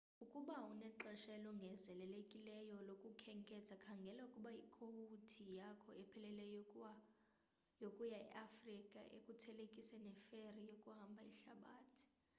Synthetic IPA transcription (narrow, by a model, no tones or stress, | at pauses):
ukʼuɓaunɛǁɛʃɛlɔŋɡʱɛzɛlɛlekʼilɛjɔlokʼukʰɛŋkʼɛt͡sʰʼakʰaŋɡʱɛlaukʼuɓaikʰohutʰijakʰɔɛpʰɛlɛlɛj | jokʼujaɛ̰ʔafrikʼaʔḛkʼutʰɛlekʼisɛnɛferijokʼuɦambʱaiɬaɓaːtʰi̥